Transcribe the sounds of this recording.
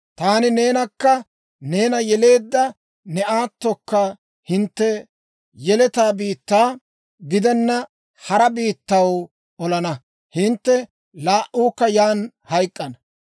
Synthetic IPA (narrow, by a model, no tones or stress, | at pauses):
t̪aːnɪne̞ːnɐkːɐ | ne̞ːnɐjɛle̞ːd̪ːɐ | nɛʔaːt̪ːɔkːɐ | hɪnt̪ːɛ | jɛlɛt̪aːbiːt̪ːaː | ɡɪd̪ɛnːɐ | hɐɾɐbiːt̪ːɐw | ɔlɐnɐ | hɪnt̪ːɛ | laːʔuːkːɐjaːn | hɐjkʼːɐnɐ